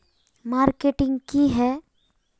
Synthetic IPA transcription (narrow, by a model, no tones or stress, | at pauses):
maːɾkeʈɪ̃ŋɡkiɦɛ